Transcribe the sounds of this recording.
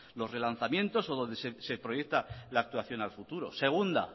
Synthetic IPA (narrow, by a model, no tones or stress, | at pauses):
lo̞sre̞lan̟θamjẽ̞nt̪o̞so̞ð̞o̞nd̪e̞sese̞pɾo̞je̞k̚t̪alaːk̚t̪waθjo̞nalfut̪uɾo̞̰se̞ɣ̞und̪a̰